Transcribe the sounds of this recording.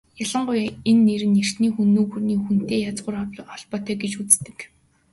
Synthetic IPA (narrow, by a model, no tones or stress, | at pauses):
jaɮə̆ɴɢʊjenːeɾɘ̆ner̥t̪niːxunːoːɣurniːxun̥t̪eːjat͡sʁʊːrɔwʲɔɮpɔːt̪ʰœːɡet͡ɕut͡st̪ɘ̆k